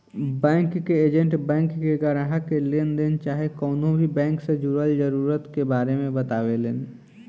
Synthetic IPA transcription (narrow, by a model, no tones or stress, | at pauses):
bɛ̃ːŋkːeeːd͡ʒə̃ɳʈbɛ̃ːŋkːeɡaɾəɦakeleːnd̪eːnt͡ʃaːɦekɔːnõbʱibɛ̃ːŋksed͡ʒʊɾəld͡ʒəɾuːɾət̪kebaːɾemẽbɐt̪aːʋeleːn